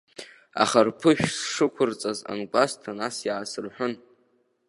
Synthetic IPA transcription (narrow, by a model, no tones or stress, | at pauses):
a̰χarpʰɨʃᶣsʂɨkʷʰʊrt͡sʼaza̰nɡʷʼastʰanasjaʕasɨrħʷᶣʊn